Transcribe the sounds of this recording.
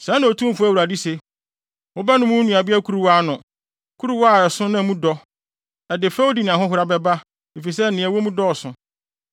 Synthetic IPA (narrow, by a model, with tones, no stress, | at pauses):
sãː˨˦nã˨o˨tʰũ˦fʊ˦æ˦wu˨ɾa˨di˦se˨ | wo˦ba˦nʊ̃˦mũ˦nũ˨a˨bɪ˦a˦kʰu˦ɾu˦wa˦˨nʊ̃˨ | kʰu˦ɾu˦wa˦˨ɛ˨sʊ̃˦nã˦˨mũ˦dɔ˦ | ɛ˨dɪ˨fɛ˦wo˦di˨nɪ̃˨ã˨ɦʊ̃˦ɦʊ˨ɾa˦bɛ˦ba˦ | e˨fi˨sɛ˦˨nɪ̃˨ɛ˨wo˦mũ˦dɔ˦ɔ˨sʊ̃˨